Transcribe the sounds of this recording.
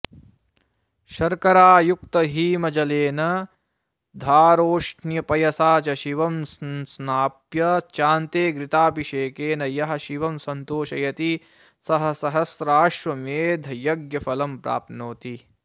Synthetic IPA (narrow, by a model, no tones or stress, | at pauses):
ʃɐɾkɐɾaːjuk̚t̪ɐɦiːmɐd͡ʒɐleːnɐ | d̪ʱaːɾoːʂnjɐpɐjɐsaːt͡ʃɐʃiʋɐmssnaːpjɐt͡ʃaːnt̪eːɡɾit̪aːpiʃeːkeːnɐjɐɦɐ̆ʃiʋɐmsɐnt̪oːʃɐjɐt̪i | sɐɦɐ̆sɐɦɐsɾaːʃʋɐmeːd̪ʱɐjɐɡjɐfɐlɐmpɾa̰ːpnoːt̪i